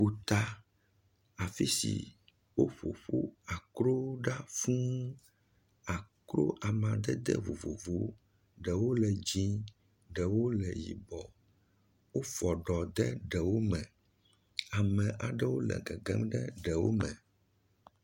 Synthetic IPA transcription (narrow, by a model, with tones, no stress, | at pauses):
ɸu˨t̪a˦ | a˨fi˦sḭ˨ | wo˦ɸo̰˨ɸu˦a˨kɾo˦ɖa˦fũ˦ | a˨kɾo̰˦ʔa˨mã˨d̪ɛ˦d̪ɛ̰˦vo̰˨vo̰˨vo˨˦ | ɖɛ˨wo˦lɛ˨d͡ʑĩ˦ | ɖɛ˨wo˦lɛ˨jḭ˨bɔ˨ | wo˦fɔ˨ɖɔ˨d̪ɛ˦ɖɛ˨wo˦mɛ̃˨ | a˨mɛ̃˨ʔa˨ɖɛ˦wo˦lɛ̰˨ɡɛ˨ɡɛ˦mɖɛ˦ɖɛ˨wo̰˦mɛ̃˨